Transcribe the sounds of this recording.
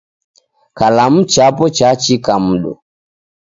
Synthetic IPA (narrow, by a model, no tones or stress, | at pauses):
kalam̩t͡ʃapɔt͡ʃat͡ʃikam̩ɗɔ̰